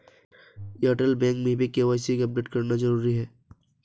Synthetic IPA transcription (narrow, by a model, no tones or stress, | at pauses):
aːʈəlbɛ̃ːŋkmẽbʱikeʋaːɪsikɐp̚ɖeːʈkɐɾnazɐɾuːɾiɦɛː